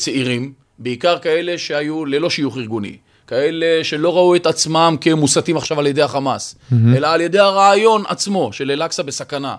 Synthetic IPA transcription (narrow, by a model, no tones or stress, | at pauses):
t͡seiʁim | beikaʁkae̞le̞ʃeajulelo̞ʃijuχiʁɡunḭ | kae̞le̞ʃe̞lo̞ʁaue̞t̪at͡smamkemusat̪imaχʃavalje̞d̪ehaχamase̞laːlje̞d̪ejhaʁaːjo̞na̰t͡smo̞ʃe̞lelaksabe̞sakana̰